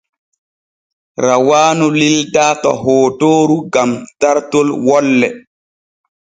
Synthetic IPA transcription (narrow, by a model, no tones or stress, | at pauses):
ɾawaːnulildaːtɔ̰ɦoːtoːɾuɡamtaɾtolwɔlːɛ